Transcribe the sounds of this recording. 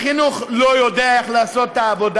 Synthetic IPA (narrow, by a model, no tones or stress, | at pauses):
χinuχlojodeaeχlaːso̞t̪ːaːvo̞d